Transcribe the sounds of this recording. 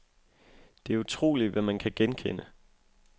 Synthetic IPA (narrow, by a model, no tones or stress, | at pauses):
d̥e̝æɐut͡sʰʁo̝̰ːlid̥ʋæmænkʰæɡ̥enkʰenə